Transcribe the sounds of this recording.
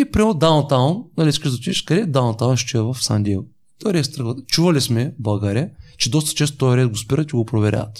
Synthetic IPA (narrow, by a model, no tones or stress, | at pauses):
ipɾʲiɛd̪awnt̪awnnɐlʲiiskəʃd̪ɐt͡ʃ̪iiʃkɐd̪ɛd̪awnt̪awnʃt͡ʃɛɛvɐfsa̰nd̪ʲɛ | t̪ɔjɾɛst̪ɾəxvət̪t͡ʃuvɐlismɛbˠɐɡaɾiət͡ʃɛd̪ɔst̪ə̥t͡ʃɛst̪ot̪ɔjɾɛt̪̚ɡospiɾət̪iɡopɾovɛɾʲa̰ɐt̪